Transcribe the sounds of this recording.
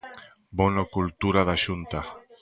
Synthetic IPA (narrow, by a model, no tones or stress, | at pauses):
bonokult̪uɾaðaʃunt̪a